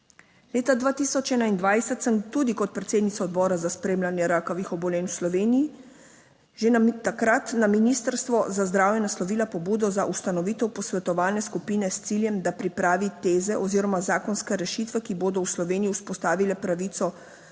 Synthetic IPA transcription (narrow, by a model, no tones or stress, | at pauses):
leːt̪ad̪ʋaːt̪iːsɔt͡ʃɛːnaind̪ʋajsɛt̪səmt̪uːd̪ikɔt̪̚pɾɛt̪seːd̪nit̪sɔɔd̪bɔːɾazaspɾeːmlanjɛɾaːkɔʋixɔbɔlɛːnwslɔʋeːniji | ʒet̪akɾat̪naminiːst̪əɾst̪ʋɔzazd̪ɾaːwjɛnaslɔʋiːlapɔbuːd̪ɔzaʔust̪anɔʋiːt̪ɛwpɔsʋɛt̪ɔʋaːlnɛskupiːnɛst̪siljɛmd̪apɾipɾaːʋit̪eːzɛʔɔziːɾɔmazaːkɔnskɛɾɛʃiːt̪ʋɛkiboːd̪ɔwslɔʋeːnijiuspɔst̪aːʋilɛpɾaʋiːt̪sɔ